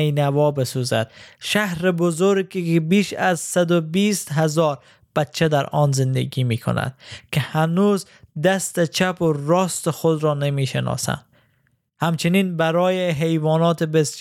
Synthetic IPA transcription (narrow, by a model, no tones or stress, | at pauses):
ejnævɒːbesuzæ̰d̪̥̚ʃæhɾebozoɾkkbiːʃæzsad̪obiːst̪ɦazɒːɾ | b̥æt̪t͡ʃʰːed̪æɾɒːnzɪnd̪ḛɡiːmiːkʰo̰næ̰d̪̥kʰɪhænuːz | d̪æst̪et͡ʃʰæpoɾɒːst̪exod̪ɾɒːnemiːʃenɒ̰ːsæ̰nd̪̥ | hæmt͡ʃʰɪniːnbæɾɒːjeɦejvɒːnɒːt̪ʰebes